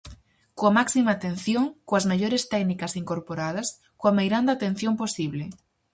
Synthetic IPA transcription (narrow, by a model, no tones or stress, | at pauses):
koamaksimaːt̪ẽn̟θjoŋkoazmeʎoɾest̪ɛknikasiŋkoɾpoɾað̞ɐs | koamejɾand̪at̪ẽn̟θjomposiβ̞le